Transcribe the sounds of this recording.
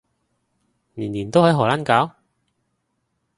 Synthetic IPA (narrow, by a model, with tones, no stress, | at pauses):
niː˨˩nliː˨˩nt̪o˥whɐ˨˥jɦɔː˨˩laː˥nkaː˨˥w